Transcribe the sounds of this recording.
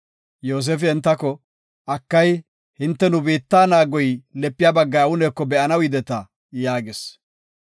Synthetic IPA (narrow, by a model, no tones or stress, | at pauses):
joːs̬eːfɪɛnt̪ːɐkɔ | ɐkːɐj | hɪnt̪ːɛnʊbiːt̪ːaːnaːɡɔjlɛpːɪjaːbɐɡːɐjɐwʊneːkːɔbɛʔɐnɐwɪd̪ɛt̪ɐ | jaːɡɪs